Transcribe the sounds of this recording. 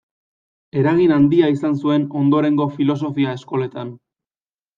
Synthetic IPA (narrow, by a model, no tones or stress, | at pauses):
e̞ɾaɣinand̪iaisansue̞no̞nd̪o̞ɾe̞ŋɡo̞filo̞s̬o̞fiae̞sko̞le̞t̪an